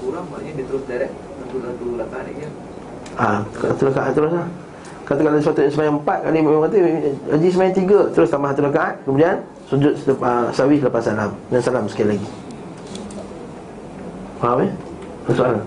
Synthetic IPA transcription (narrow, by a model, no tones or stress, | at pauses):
uɾaaɲadit̪əɾʊsdaɾɛk̚ | nat̪ulat̪ulakada̰ɲa | aat̪ulakaʔat̪̚t̪ːəɾʊslah | kat̪akalaisuwat̪uasəmajaŋəmpat̪̚kalimmãŋkat̪̬əad͡ʒisəmajaŋt̪iɡat̪əɾʊst̪ambaɦat̪ulakaʔat̪̚kəmudian | sud͡ʒʊt̪̚səsawislapasalamnansalamsə̥kaalaɡi | waap | asoaɾa